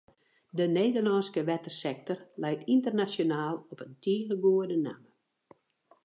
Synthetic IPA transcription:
dəneːdərnɔːnskəʋɛtərsɛk̚tɔrlɛjtʰintərnasjonaːlˠɔpəntʰiːɣəɡoːədəna̰mə

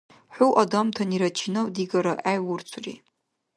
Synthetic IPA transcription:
ħʷuwʔadamtʰaniɾat͡ʃʰinawdiɡaɾaʔajwʊrt͡sʷʰrḭ

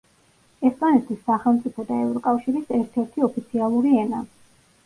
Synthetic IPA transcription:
ɛspʼanɛt̪ʰisːaχɛlˠmt̪sʼipʰɔd̪aɛvɾɔkʼafʃiɾisɛɾt̪ʰɛɾt̪ʰiɔpʰit̪sʰialˠuɾiɛna

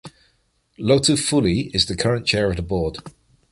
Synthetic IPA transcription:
loʊtəfʊliɪzðəkʰʌɹə̃nt͡ʃʰɛːɹəvðəbɔːd̥

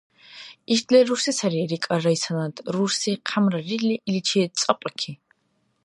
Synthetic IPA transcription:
iʃd̪lɛɾuɾsisaɾiɾikʼaɾaisʰanad̪ɾuɾsiqʰamɾaɾilɛʔilit͡ʃʰiɛt̪sʼaqʼakʰi

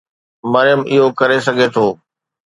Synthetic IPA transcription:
mɐɾjəmɪɦokɐɾes̬ɐɡʱet̪ʰoː

